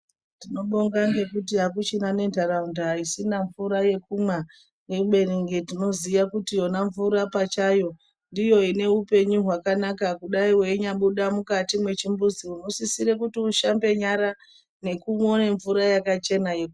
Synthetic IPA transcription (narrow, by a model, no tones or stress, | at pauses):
tino̞ɓoŋɡaŋɡe̞kut̬iɦakut͡ʃinane̞ndʱaɾaundaɦaisinaɱvuɾaje̞kumwa | weɓe̞riŋɡetino̞ziʋakutijo̞naɱvuɾapat͡ʃajo̞ | ndijo̞ine̞upe̞ɲuɦwakanakakuɗaiwe̞iɲaɓuɗamukatimwe̞t͡ʃimbuziuno̞sisiɾe̞kutiuʃambe̞ɲaɾa | ne̞kumo̞ne̞ɱvuɾajakat͡ʃe̞najeku